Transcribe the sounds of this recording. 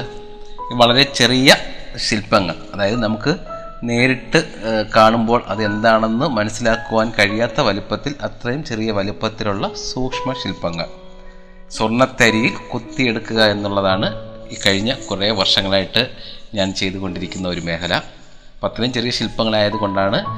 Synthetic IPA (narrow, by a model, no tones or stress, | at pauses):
iʋɐɭɐɾe̞t͡ɕe̞rijɐɕilpːɐŋːɐ̰ɭɐðaːjɐðɨnɐmukːɨ | ne̞ːɾiʈːɨ | kaːɳumbo̞ːɭʔɐðɨe̞nd̪aːɳenːɨmɐnɐsːilaːkːuʋaːnkɐɻijaːt̪ːɐʋɐlupːɐt̪ːilɐt̪rɐjumt͡ɕe̞rijɐʋɐlipːɐt̪ːiluɭːɐsuːkʂmɐɕilpːɐŋːɐ̰ɭ | surɳːɐt̪ːɐɾijilkut̪ːije̞ɽukːuɣɐe̞nːuɭːɐðaːɳɨiːkɐɻiɲːɐkureːʋɐrʂɐŋːɐɭaːjiʈːɨɲaːnt͡ɕe̞jt̪uɣo̞ɳɖiɾikʲːunːɐo̞ɾume̞ːkɐlɐ | pɐt̪ːɐumt͡ɕe̞rijɐɕilpːɐŋːɐɭaːjɐðuɣo̞ɳɖaːɳɨ